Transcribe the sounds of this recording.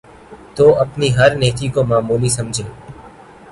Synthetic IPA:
t̪oːʔəpniːɦəɾneːkʰiːkõːmãːmuːliːsəmd͡ʒʱeː

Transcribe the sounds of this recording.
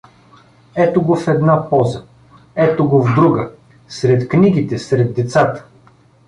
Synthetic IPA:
ɛt̪oɡofɛd̪napɔzə | ɛt̪oɡovd̪ɾuɡə | sɾɛt̪kniɡit̪ɛsɾɛd̪ːɛt̪sat̪ə̥

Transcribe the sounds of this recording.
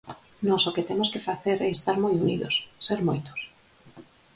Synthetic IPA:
nɔsoket̪emʊskefaθeɾɛest̪aɾmojuniðo̰sseɾmojt̪o̥s

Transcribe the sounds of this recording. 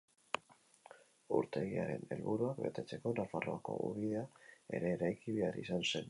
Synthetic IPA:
uɾt̪e̞ɣia̰ɾe̞̰ne̞̰lβuɾuakbe̞t̪e̞t͡se̞ko̞nafaro̞ako̞̰uβiðe̞ae̞̰ɾe̞ːɾajkiβe̞aɾisanse̞n

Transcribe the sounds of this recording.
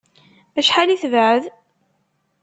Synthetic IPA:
æʃħaliθvʕəð

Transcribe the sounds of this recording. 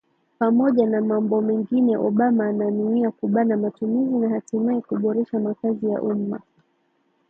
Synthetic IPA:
pamɔʄanamambɔmɛŋɡinɛʔɔɓamaːnanuiakuɓanamatumizinahatumahikuɓɔɾɛʃamakazija̰ʔuma̰

